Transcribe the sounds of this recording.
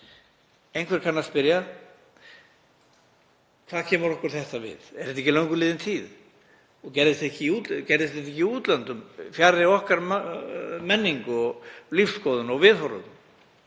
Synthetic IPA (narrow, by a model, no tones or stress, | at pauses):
ejnkʰvɛɾ̥kʰanːaspɪɾja | kʰθaðcʰɛːmʏɾɔhkʏɾ̥θɛht̪avɪ̰ðɛɾ̥θɛt̪ɛhcːɪlawŋkʏlɪːðɪnt̪ʰiːð | ɔɣcɛɾðɪst̪ɛhcɪut̪cɛɾðɪst̪ɪt̪̬ɛhcːɪiuːt̪lant̪ʏmfjaɾðɪɔhkaɾ | mɛnːiŋkɔɣlifskɔðʏnɔɣvɪðhɔɾʏ̰